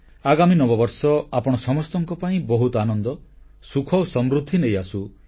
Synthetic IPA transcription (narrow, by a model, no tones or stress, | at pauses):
aɡaminɔbɔbɔɾsɔapɔɽ̃ɔsɔmɔst̪ɔŋkɔpaĩbɔɦut̪ɔanɔnd̪ɔ | sukʰɔwsɔmɾud̪ʱːinejasu